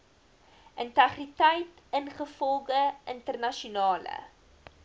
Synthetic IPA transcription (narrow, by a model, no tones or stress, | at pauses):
ʔəntæχritəjt | ənχəfɔlˠɡəʔəntərnɐʃunɑːlə̰